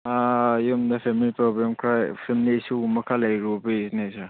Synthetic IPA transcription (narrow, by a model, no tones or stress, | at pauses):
ajumdɐpʰemilipɾobɾemkʰɾajpʰilmnisumɐkʰalajɾubesnesaɾ